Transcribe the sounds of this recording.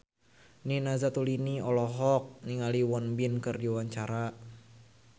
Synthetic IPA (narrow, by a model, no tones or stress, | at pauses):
ninazat̪uliniɔlɔɦɔk̚niŋaliwɔnbinkɨrdiwaɲt͡ʃaɾa